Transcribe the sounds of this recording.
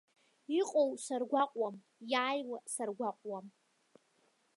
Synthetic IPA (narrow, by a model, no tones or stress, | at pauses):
iqʼowsarɡʷaqʼwam | jaːjwasarɡʷaqʷʼwam